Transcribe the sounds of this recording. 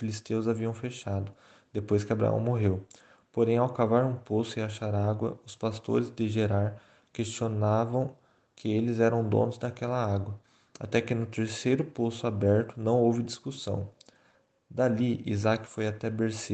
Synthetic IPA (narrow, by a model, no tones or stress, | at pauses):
filist̪ewzaviɐ̃w̃feʃad̪ʊ | d̪̥epojskɪabɾa̰ɐ̰̃w̃moɦew | poɾẽj̃awkavaɾũposʊɪaʃaɾaɡwɐ̰ʊspast̪o̰ɾɪzd̪ɪʒeɾaɾ | kest͡ʃionavɐ̃w̃ | kʰɪelɪzɛɾɐ̃w̃d̪õ̰nʊzd̪akɛlɐaɡwɐ | a̰t̪ɛkɪnʊt̪eɾsejɾʊposʊabɛɾt̪ʊnɐ̃w̃owvɪd̪iskusɐ̰̃w̃ | d̪aliḭzakɪ̥fojat̪ɛbeɾsi